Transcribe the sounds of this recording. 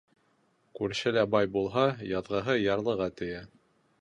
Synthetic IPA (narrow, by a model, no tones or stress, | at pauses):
kʉɾɕɘlæbɑjbulˠɦɑjɑðʁɤɦɤjɑɾlˠɤ̆ʁɑt̪ɘ̆jæ